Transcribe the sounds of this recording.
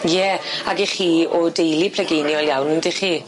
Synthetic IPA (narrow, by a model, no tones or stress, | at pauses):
jɛaɡiχiːɔdejlˠipʰl̥ɛɡejnjɔlˠjawnndɪχiː